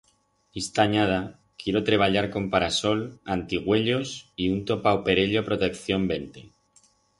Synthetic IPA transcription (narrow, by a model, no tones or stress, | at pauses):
ist̪aɲað̞a | kje̞ɾo̞t̪ɾe̞β̞aʎaɾko̞mpaɾaso̞lant̪iɣ̞we̞ʎo̞siunt̪o̞paope̞ɾe̞ʎo̞pɾo̞t̪e̞kθjo̞mbe̞nt̪e̞